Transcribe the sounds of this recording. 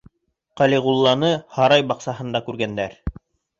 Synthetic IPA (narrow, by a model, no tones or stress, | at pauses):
qɑliʁulˠːɑnɤhɑɾɑjbɑqsɑɦɤ̆nd̪ɑkʉɾɡænd̪æɾ